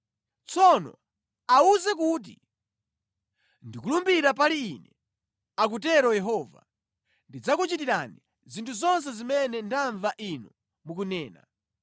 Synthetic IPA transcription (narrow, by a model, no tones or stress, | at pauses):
t͡sɔnɔ̰ | auzɛk̬ut̬ḭ | ndikulumbiɾap̬aliːnɛ | ak̬ut̬ɛɾɔjɛɦɔːva̰ | ndid͡zakut͡ʃitiɾani | zintʰuzɔns̬ɛzimɛnɛntʰaɱvaʔinɔ | mukunɛːna̰